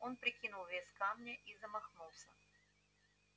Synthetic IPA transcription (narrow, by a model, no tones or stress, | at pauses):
o̞npɾʲɪkʲinʊlˠvʲesʲkamnʲəʔizəmɐxnulˠsʲə